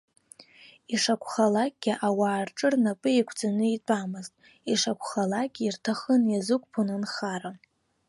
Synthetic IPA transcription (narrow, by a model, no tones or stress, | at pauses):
iʂakʷʰʼχalak̚ʼɡʲiʔawaːrʈ͡ʂʼɨrnapʼɨikʷʰd͡zanɨitʷʼamɨztʼ | iʂakʷʰχalakʲʼirtʰaχənjazɨkʷʼpʰonɨnχaɾa